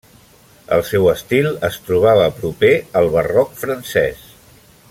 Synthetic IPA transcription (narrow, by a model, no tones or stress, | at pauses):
ə̰lˠsɛwəst̪ilˠəst̪ɾuβ̞aβ̞əpɾupeəlˠβərɔkfɾənsɛ̰s